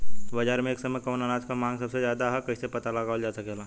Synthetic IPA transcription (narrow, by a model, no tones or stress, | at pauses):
bɐd͡ʒaːɾmẽeːksɐməkɔːnanaːd͡ʒkamãːŋɡsɐbsezjaːd̪aɦɛkɐisepɐt̪alɐɡaːʋəld͡ʒaːsɐkeːlaː